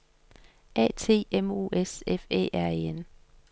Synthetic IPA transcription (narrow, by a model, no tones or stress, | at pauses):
ʔɛ̰ːt͡sʰe̝̰ːemo̝̰ːʔesefḛːʔæɐeen